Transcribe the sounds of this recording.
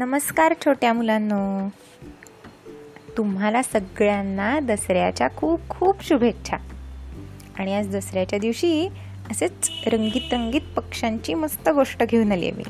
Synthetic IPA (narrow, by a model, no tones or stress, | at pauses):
nəməskaɾt͡ɕʰoʈjamulanːo | t̪um̤alasəɡɭjanːad̪əsɾjat͡ɕjakʰuːb̚kʰuːbɕubʱekt͡ɕʰa̰ | aɽ̃iad͡zd̪əsɾjat͡ɕjad̪iʋɕiː | əset͡sɾəŋɡiːt̪ɾəŋɡiːt̪pəkʂãɲt͡ɕiːməst̪əɡoʂʈəɡʱeunaljḛmḭː